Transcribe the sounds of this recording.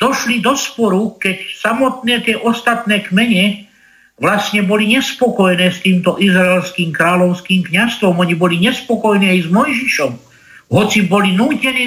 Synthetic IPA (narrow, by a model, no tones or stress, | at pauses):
d̪̥ɔʃlid̪ɔspɔɾukɛcsamɔt̪nɛːt̪ɪɛʔɔst̪at̪nɛːkmɛɲɛ | ʋlasɲɛbɔliɲɛspɔkɔjɛnɛːst̪iːmt̪ɔʔizɾaɛlskiːmkɾaːlɔʊskiːmkɲast̪ʋɔmɔɲibɔliɲɛspɔkɔjniːajzmɔjʒiʃɔm | ɦɔt͡sibɔlinuːcɛniː